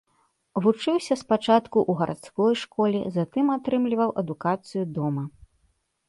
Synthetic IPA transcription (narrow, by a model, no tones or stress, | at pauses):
vut͡ʂɨwsʲɐspat͡ʂat̪kuʔuɣɐɾʔa̰t̪skɔjʂkɔlʲḭzat̪ɨmat̪ɾɨmlʲivɐwʔɐd̪ukat̪sɨjud̪ɔmɐ